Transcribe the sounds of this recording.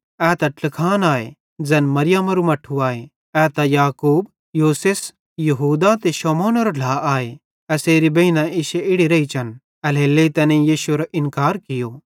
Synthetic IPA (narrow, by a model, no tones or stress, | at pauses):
ɛːt̪ɐʈlɪkʰaːnaːḛ | d͡zɛnmɐɾɪjamɐɾumɐʈʰːuaːe | ɛːt̪ajaːkuːb | juːses | jɐɦuːd̪at̪eʃɔːmoːnoɾoɖʱaːʔaːe | ɛseːɾibɐinãɪʃeɪɽiɾɐit͡ʃʰɐn | ɛleːlːeit̪ɐːnẽjiːʃuɾoʔɪnkaːɾkɪjoː